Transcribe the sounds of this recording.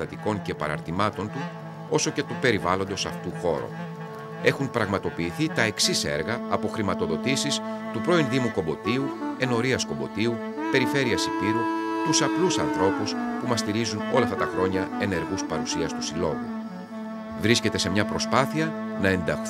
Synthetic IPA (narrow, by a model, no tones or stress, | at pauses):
ɐt̪iko̞ɲce̞pɐ̰ɾɐ̰ɾt̪imɐt̪o̞nt̪u | o̞so̞ce̞t̪upe̞ɾivɐlo̞nd̪o̞sɐft̪uxo̞̰ɾo̰ | e̞xumpɾɐɣmɐt̪o̞piːθit̪ɐe̞ksise̞̰ɾɣɐːpo̞xɾimɐt̪o̞ðo̞t̪isist̪upɾo̞inðimuko̞bo̞t̪iue̞no̞ɾiɐsko̞bo̞̰t̪iu | pe̞ɾife̞ɾiɐsipiɾut̪usɐplusɐnθɾo̞puspumɐst̪iɾizuno̞lɐft̪ɐt̪ɐxɾo̞ɲɐe̞ne̞ɾɣuspɐɾusiɐst̪usilo̞ɣṵ | vɾisce̞t̪e̞se̞mɲɐpɾo̞spɐθiɐ | nɐe̞nd̪ɐxθ